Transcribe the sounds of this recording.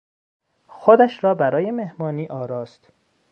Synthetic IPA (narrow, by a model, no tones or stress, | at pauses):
xod̪æʃɾɒːbæɾɒːje̞me̞hmɒːniːʔɒːɾɒːst̪